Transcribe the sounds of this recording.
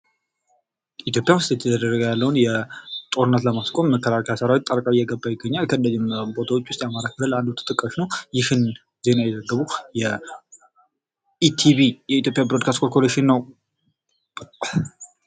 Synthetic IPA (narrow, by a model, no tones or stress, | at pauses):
it̪jo̞pʼjawst̪ɛt̪ʰjɛd̪əd̪ərːəɡəjalːəwunjɛt̪ʼo̞ɾɨnːət̪ləmaskʼo̞mːəkʰːəlakʰəjasəɾawit̪ʼːəɾkʼaɪjːɛɡəbːajɪɡːəɲːalkʰənlːəd͡ʒɪmbo̞t̪ʰawo̞t͡ʃːwʊst̪ʼjamaɾakʰələland̪ut̪ʰɨ̥t̪ʼɨkʼːəʃnəwjɪhɨn | ze̞najɛzəɡːəβujɛ | it̪ʰiβijɛit̪ʰjo̞pʼjabɾod̪̚kʰast̪kolkʰoleʃɪnːəw